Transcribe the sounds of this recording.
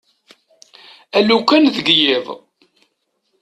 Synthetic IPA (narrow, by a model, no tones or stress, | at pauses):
ælukːænðəɡjɪðˤ